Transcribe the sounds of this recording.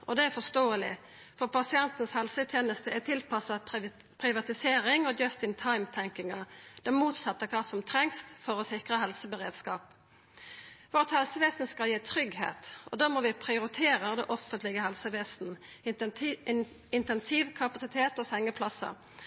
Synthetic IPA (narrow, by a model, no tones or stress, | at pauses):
ʔɔd̪ɛæɾfɔst̪oːəlɪ̰ | fɔʁpɑsɪɛnt̪n̩shɛlsət̪ʰjeːnəst̪əɛt̪ʰɪlpʰɑsɑ | pʰɾɪʋɑt̪ɪseːɾɪŋɔd͡ʒœst̪ɪnt̪ʰɑɪmt̪ʰɛŋkɪŋɑd̪̥ɛnmuːt̪sɑt̪ːəkʰɑːsɔmt̪ʰʁɛŋst̪fɔɾɔsɪkʁəɦɛlsəbəʁḛːd̪skɑːp | ʋɔʁt̪hɛlsəʋeːsn̩skɑljiːt̪ʰʁʏɡhḛːt̪ɔ̰d̪ɑːmɔʋɪpʰʁɪʊɾɪt̪ʰeːɾəd̪ɛʔɔfənt̪lɪɡəɦɛlsəʋeːst̪n̩ | ɪnt̪ɛnsiʋkʰɑpɑsɪt̪ʰeːt̪ɔːsɛŋːəpʰlɑsə̰